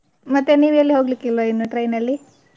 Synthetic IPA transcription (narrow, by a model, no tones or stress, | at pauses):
mɐt̪ːeniːʋɐlːiɦoːɡlikːilʋɐinːuʈɾɐjnɐlːi